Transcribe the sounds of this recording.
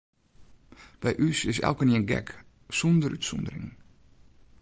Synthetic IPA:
b̥ɛjʔysɪsɛ̰lˠkəniənɡɛ̰k | sundəɾytsɔndəɾɪ̰ŋ

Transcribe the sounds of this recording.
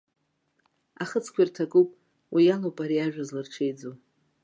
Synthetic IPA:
aχət͡sʰkʷʰairtʰakʼupʼ | wijalowpʼaɾiaʒᶣazlɨrʈ͡ʂʰejd͡zo

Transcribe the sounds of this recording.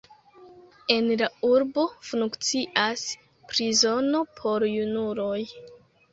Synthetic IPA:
e̞nlauɾbo̞funkt͡siʔas | pɾizo̞no̞pʰo̞ɾjunulo̞j

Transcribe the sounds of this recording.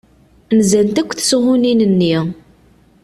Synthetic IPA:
mzænt̪ækʷːθshʊninənːi

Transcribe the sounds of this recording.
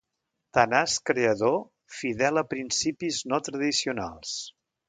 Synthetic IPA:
t̪anaskɾeəðo | fiðɛləpɾinsipiznot̪ɾəðisiuna̰lˠs

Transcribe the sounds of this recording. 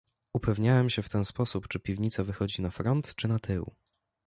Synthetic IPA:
upɛvɲawɛmɕɛft̪ɛnspɔsupt͡ʂɘpʲivɲit̪savɘxɔd͡ʑinafɾɔnt̪t͡ʂɘnat̪ʰɘw

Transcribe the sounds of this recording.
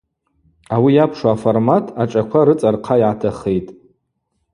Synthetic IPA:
awijapʰʂaaformatʰaʈ͡ʂʼakʷʰaɾɨt͡sʼarqʰajʕatʰaχejtʼ

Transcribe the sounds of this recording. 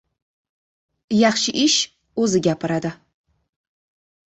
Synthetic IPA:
jɑχʃɪʔɪʃ | ɵzɪɡʲapʰɪɾad̪ɪ

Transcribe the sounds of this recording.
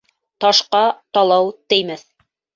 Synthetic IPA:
t̪ɑʃqɑt̪ɑlˠɑwt̪ɘ̆jmæθ

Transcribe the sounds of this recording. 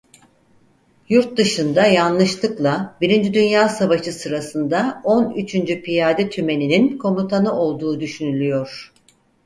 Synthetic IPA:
juɾt̪̚d̪ɯʃɯnd̪ajanlˠɯʃlˠɯklˠabiɾind͡ʒid̪ynjaːsavaʃɯsɯɾasɯnd̪ao̞nyt͡ʃʰynd͡ʒypʰijaːd̪ɛt̪ʰyme̞nininkʰo̞mut̪ʰanɯʔo̞lˠd̪uːd̪yʃynylʲyjo̞ɾ̥

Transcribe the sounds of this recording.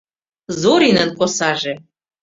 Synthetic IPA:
zoɾinənkosɑʒĕ

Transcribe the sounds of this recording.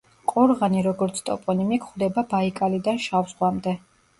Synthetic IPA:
qʼuɾʁaniɾɔɡɔɾt̪sʰt̪ʼɔ̰pʼɔnimikʰχwd̪ɛbabaikʼalid̪anʃafsχwamd̪ɛ

